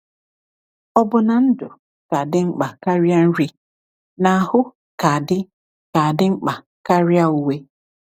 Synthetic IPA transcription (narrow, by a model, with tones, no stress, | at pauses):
ɔ˦bʊ˦na˨n̩˦dʊ˨ | ka˨dɪ˦ŋ͡m̩˦k͡pa˨ka˦ɾja˦n̩˦ɾi˦ | na˨a˨hʊ˦ | ka˨dɪ˦ | ka˨a˨dɪ˦ŋ͡m̩˦k͡pa˨ | ka˦ɾɪ˦a˦u˨we˦